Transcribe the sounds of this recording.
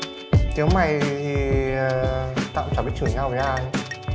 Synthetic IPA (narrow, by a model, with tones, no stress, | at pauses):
t̪i˨˦wma˨˩jt̪ʰi˨˩˨ | t̪a̰ː˧˨mt͡ɕa˧˩i˦˥t̚t͡ɕʰɨ˧˩ɲa˧˩wzaː˧˩˧